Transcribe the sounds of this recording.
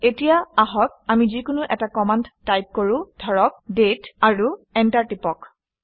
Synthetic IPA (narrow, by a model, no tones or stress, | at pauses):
etijaaɦɔk̚amizikʊnʊʔɛtakɔmandajp̚koɹʊ̃dʱɔɹɔk̚detaɹuɛntaɹtipɔk